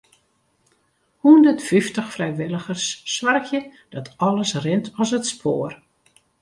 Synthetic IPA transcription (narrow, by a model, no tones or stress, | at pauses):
hundətfiftəxfrɛjʋɪləxərsːʋarkjəd̥ɔtɔlˠəsrɪntʰɔsətspʰoːr